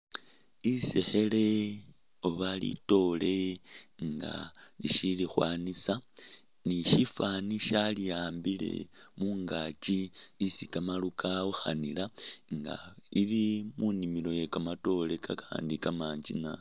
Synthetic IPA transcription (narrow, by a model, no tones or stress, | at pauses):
isexe̞le̞ | oβalḭto̞le̞ŋɡa̰lḭʃilixwaːnisa | niʃifaniʃalijaːmbile̞̰muːŋɡat͡ʃiːsikamalukʰauxa̰nilaŋɡa̰ilimunimilo̞je̞kamato̞le̞kakʰaːndikamaːɲd͡ʒḭna